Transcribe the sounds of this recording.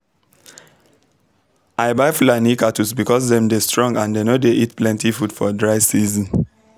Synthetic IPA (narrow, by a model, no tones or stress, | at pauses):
ʔaɪbaɪflanikatusbikɔsdɛ̃mdestɹɔ̃ŋɡãndenodeʔitplɛ̃ntifudfɔdɹaɪsizĩn